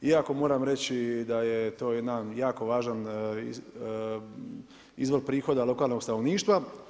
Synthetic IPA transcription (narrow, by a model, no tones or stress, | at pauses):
iako̞mo̞ːɾamɾet͡ɕid̪ajet̪o̞ːjed̪anjaːko̞ʋaːʒan | izʋo̞ɾpɾiːxo̞d̪alo̞kaːlˠno̞ɡsanoʋniːʃt̪ʋa